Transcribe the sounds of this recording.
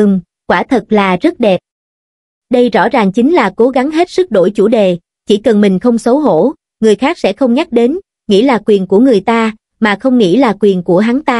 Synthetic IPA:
ɨ˨˩ŋ | kwaː˧˩t̪ʰə˨˩t̚laː˨˩zə˦˥t̚ɗɛ˨˩p̚ | ɗə˧jzɔ̰˧˥˩zaː˨˩ŋt͡ɕï˨˦ŋ̟laː˨˩ko˨˦ɣa˨˦ŋɦe˦˥t̚sɨ˦˥k̚ɗo̰˧˩jt͡ɕṵ˧˩ɗe˨˩ | t͡ɕi˧˩kə˨˩nmï˨˩ŋ̟xə˧wŋ͡msə˨˦wɦo̰˧˥ | ŋɨ˨˩əjxaː˦˥k̚sɛ̰˧˥xə˧wŋ͡mɲa˦˥k̚ɗe˨˦n | ŋḭ˧˥laː˨˩kwi˨˩ənku˧˩əŋɨ˨˩əjt̪aː˧ | maː˨˩xə˧wŋ͡mŋḭ˧˥laː˨˩kwi˨˩ənku˧˩əɦaː˨˦ŋt̪aː˧

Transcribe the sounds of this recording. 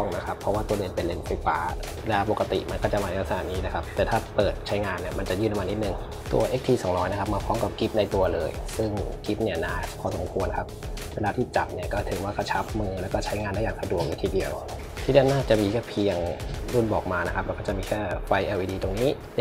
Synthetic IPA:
ɔ˥˩ŋna˦˥kʰa˦˥pʰːɔ˧˦˥waː˥˩u˧ɐle˧˩npe˧nle˧˩nfa˧˩jfa̰ː˨˧˩ | le˧laː˧˥po˨˩kːa˧t̪ḭ˨˩ma˧nkɔː˥˩t͡ɕa˨˩ʔma˧n˧˩sa˨aː˨˩niː˦˥la˦˩kʰa˦˥p̚t̪ɛː˨˩t̪ʰaː˥˩pɤː˨˩t̪̚t͡ɕʰa˦˥jŋaː˧nːi˥˩ɐma˧nt͡ɕa˨˩jɯː˥˩na˧ma˧nːi˦˥t̪nɯ˨˩ŋ | t̪ṵ˧ɐʔe˦˥k̚t̪ʰiː˧˩sɔː˨˩˦ŋɾɔː˦˥jna˦˥kʰa˦˥p̚maː˧pʰɔː˦˥mka˨˩p̚ki˦˥p̚na˧jt̪u˧ɐlɤ̰ː˧jsɯ˥˩ŋki˦˥p̚ni˥˩ɐnaː˧˥˩kʰɔː˧so˩˦mkʰu˧ənkʰa˦˥p̚ | weː˧laː˧t̪ʰiː˥˩t͡ɕa˨˩p̚ni˥˩ɐkɔː˥˩t̪ʰɯ˨˩˦waː˥˩kʰa˥˩t͡ɕʰa˦˥p̚mɯː˧lɛː˦˥wkɔː˥˩t͡ɕʰa˦˥jŋaː˧ndaː˥˩jaː˨˩ŋpʰa˧du˨˩ək̚ju˧˦t̪ʰiː˧˩di˧əw | t̪ʰiː˧˩di˧˩˧wnaː˥˩t͡ɕa˨˩ʔmiː˧kʰɛː˥˩pʰi˧əŋduː˥˩nbɔː˨˩k̚maː˧na˦˥kʰa˦˥plaː˧˩kɔː˥˩t͡ɕa˨˩miː˧kʰɛː˥˩fa˧jʔaː˧˩wiː˦˧diː˧t̪o˧ŋniː˦˥˧

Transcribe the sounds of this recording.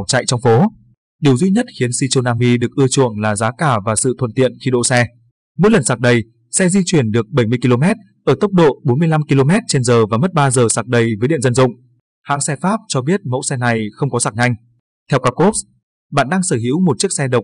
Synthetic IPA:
t͡ɕa̰˧˨jt͡ɕɔ˧wŋ͡mfo˨˦ | ɗi˨˩əwzwi˧ɲə˦˥t̚xi˨˦ənsi˧t͡ɕo˧naː˧mi˧ɗɨ˨˩ək̚ʔɨ˧ət͡ɕṵ˧˨əŋlaː˨˩zaː˨˦kaː˧˩vaː˨˩sɨ̰˧˨t̪ʰə˧˨nt̪ḭ˧˨ənxi˧ɗo̰˧˨sɛ˧ | mo̰˧˥jlə˨˩nsaː˨˩k̚ɗə˨˩j | sɛ˧zi˧t͡ɕwi˧˩ənɗɨ˨˩ək̚ɓə˧˩jmɨ˧əki˧lo˧mɛ˦˥t̚ | ʔəː˧˩t̪ə˦˥wk͡p̚ɗo̰˧˨ɓo˨˦nmɨ˧əjla˧mki˧lo˧mɛ˦˥t̚t͡ɕe˧nzəː˨˩vaː˨˩mə˦˥t̚ɓaː˧zəː˨˩saː˨˩k̚ɗə˨˩jvəː˨˦jɗḭ˧˨ənzə˧nzʊ̰˧˨ŋ͡m | ha̰ː˧˥ŋsɛ˧faː˦˥p̚t͡ɕɔ˧ɓi˦˥ət̚mə̰˧˥wsɛ˧na˨˩jxə˧wŋ͡mkɔ˨˦saː˨˧˩k̚ɲa˧jŋ̟ | t̪ʰɛ˧wkaː˧ko˦˥p̚s | ɓa̰ː˧˨nɗaː˧ŋsəː˧˩ɦḭ˧˥wmo˨˩t̚t͡ɕək̚sɛ˧ɗə˨˩wk͡p̚

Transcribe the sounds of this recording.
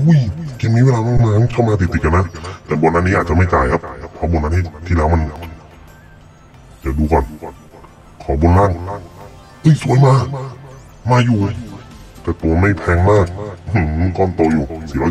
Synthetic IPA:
ʔu˧˥˩jki˧˩nmi˧˥˨weː˧laː˧ŋɔ˧˥˨ŋmaː˧˩˧kʰa˥˩˨wmaː˧t̪ʰi˧˩t̪i˨˩k̚ka˧na˧˥˨t̪ɛː˨˩bɔː˧na˧˥nːiː˧˥˨a˨˩t͡ɕa˨ma˥˩jt͡ɕaː˨jkʰa˧˥p̚pʰɔ˧˦bɔː˧˦nːa˧˥t̪ʰi˧˩t̪ʰiː˧˨lɛː˧˥wma˧˥˨n | t͡ɕa˨˧˩duː˧kɔː˨˩n | kʰɔː˨˦boː˧˦nlaː˧˥˩ŋ | ʔɯ˧˥˨jsu˨˧˦jmaː˧ | maː˧juː˧˩ʔjt̪ɛː˨˩t̪oː˨˩ma˥˩jpʰɛː˧ŋmaː˥˩k̩̚ː˧˩˧ | kɔː˧˩˨nt̪oː˨˧˩juː˨˩sʰiː˧˩waː˧

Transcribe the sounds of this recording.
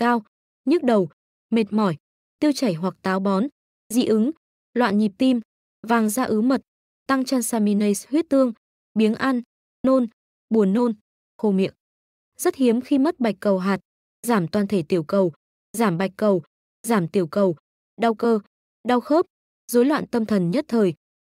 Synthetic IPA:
kaː˧w | ɲɨ˦˥k̚ɗə˨˩w | me˨˩t̚mɔ˧˩j | t̪i˧əwt͡ɕa˧˩jɦwa˨˩k̚t̪aː˨˦wɓɔ˨˦n | zḭ˧˨ʔɨ˨˦ŋ | lwa̰ː˧˨nɲi˨˩p̚t̪i˧m | vaː˨˩ŋzaː˧ʔɨ˨˦mə˨˩t̚ | t̪a˧ŋt͡ɕaː˧nsaː˧mi˧nə˧shwi˦˥ət̚t̪ɨ˧əŋ | ɓi˨˦ənʔa˧nː | o˧n | ɓu˨˩ənːo˧n | xo˧mḭ˨ək̚ | zə˦˥t̚hi˨˦əmxi˧mə˦˥t̚ɓa˨˩jk̟̚kə˨˩wɦaː˨˩t̚ | zaː˧˩mt̪waː˨˩nt̪ʰe˧˩t̪i˧˩əwkə˨˩w | zaː˧˩mɓa˨˩jk̟̚kːə˨˩w | zaː˧˩mt̪i˨˧˩əwkə˨˩w | ɗa˧wkəː˧ | ɗa˧wxə˦˥p̚ | zo˨˦jlwa̰ː˧˨nt̪ə˧mt̪ʰə˨˩nɲə˦˥t̚t̪ʰəː˨˩j

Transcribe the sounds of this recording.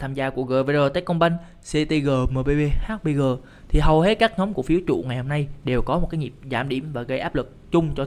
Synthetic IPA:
t̪ʰaː˧mzaː˧ku˧˩əɣəː˨˩ve˧zəː˨˩t̪aː˧˥˦jkɔ˧ŋ͡mɓa˧jŋ̟ | se˧˥t̪i˧ɣəː˨˩məː˨˩ɓe˧jɓe˧haː˦˥k̚ɓə˧jɣəː˨˩ | t̪ʰi˨˩ɦə˨˩whe˨˦˥t̚kaː˦˥k̚ɲɔ˨˦wŋ͡mku˧˩əfi˨˦wt͡ɕṵ˧˨ŋa˨˩jho˧mna˧jɗe˨˩wkɔ˨˦mo˨˩kaː˨˦jɲi˨˩p̚za̰ː˧˩mɗḭ˧˩əmvaː˨˩ɣə˧jʔaː˦˥p̚lɨ˨˩k̚t͡ɕʊ˧ŋ͡mt͡ɕɔ˧

